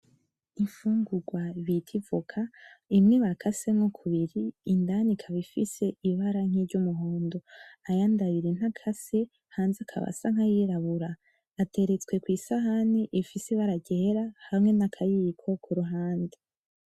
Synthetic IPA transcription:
iɱfuːŋɡuɡwaβitʰivukʰaimŋiβakʰasemŋokʰuβiɾiːndanikʰaβifise̞iβaɾaŋ̥iɾɟumuɦoːndoajandaβiɾin̥hakʰase | haːnzakʰa̰βa̰saŋ̥hajiɾaβuɾaː | tʰe̞ɾe̞t͡swe̞kwiːsaɦaniʔifisiβaɾaɟeːɾahamŋe̞nakʰajikʰo̞kʰuɾuɦaːnde̥

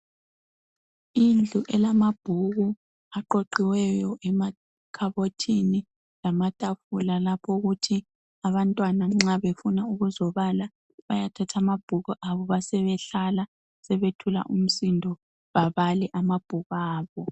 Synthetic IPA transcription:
ind͡ɮʱuʔɛlamab̥ʱuɣu | aǃoǃiwɛjɔʔɛma | kʰaβotʰini | lamatʼafulalapʰɔɣutʰi | aβantʼwanaŋ͡ǁaβefunauɣuzɔβala | βajatʰatʰamab̥ʱuɣuʔaβɔβasɛβɛɬala | sɛβetʰula̰ʔum̩sindʱɔ | βaβalɛʔamab̥ʱuɣaːβɔ

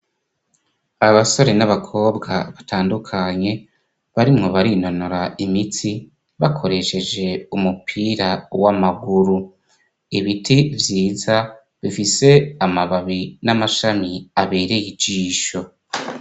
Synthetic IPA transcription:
aβaso̞ɾe̞naβakʰo̞ːbɡa̰βatʰaːndukʰaɲe̞ | βaɾimŋo̞βaɾino̞noɾaimitʰi | βakʰo̞ɾe̞ʃe̞d͡ʒe̞umupʰiːɾawamaɡuɾu | iβitʰivjiːza | βifise̞amaβaβinamaʃamiaβe̞ɾejid͡ʒiːʃo̞

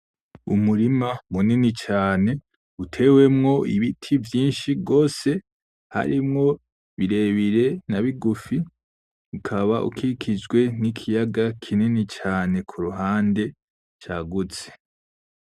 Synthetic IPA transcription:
ṵmuɾimamuninit͡ʃaːne̞ | utʰe̞we̞mŋo̞ḭβitʰivjiːnʃiɡo̞ːse̞ | ha̰ɾimŋo̞ | βiɾe̞βiɾe̞naβiɡufi | ukʰaβaʔṵkikʰid͡ʒɡwe̞nikʰijaɡakʰininit͡ʃaːne̞kʰuɾuɦaːnde̞ | t͡ʃaɡut͡se̥

